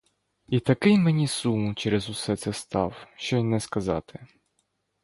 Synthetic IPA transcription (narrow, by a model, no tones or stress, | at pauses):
it̪ɐkɪjmenʲisumt͡ʃɛɾezʊsɛt̪sɛst̪ɑwʃt͡ʃɔjnɛskɐzɑ̰t̪ɪ